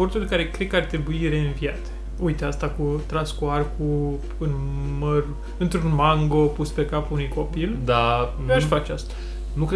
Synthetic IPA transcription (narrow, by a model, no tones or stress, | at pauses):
o̞rt̪ulʲkaɾe̞kɾed̪̚kəart̪ɾe̞buiɾe̞ɨnviat̪ | ujt̪east̪akut̪ɾanskuarku | ɨn | mər | ɨnt̪ɾunmaŋɡo̞puspe̞kapunujko̞pild̪a | eaʃfat͡ʃeast̪ḁ | nukɾe